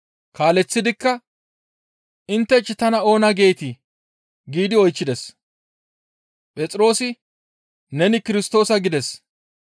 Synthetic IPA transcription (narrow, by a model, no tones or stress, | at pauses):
kaːlɛt͡sːɪd̪ɪkːɐ | ɪnt̪ːɛt͡ʃːɪt̪ɐnɐo̞ːnɐɡe̞ːt̪ɪ | ɡiːd̪ɪɔjt͡ʃːɪd̪ɛs | pʼɛt͡sʼɪɾo̞ːsɪ | nɛnɪkɪɾɪst̪o̞ːsɐɡɪd̪ɛs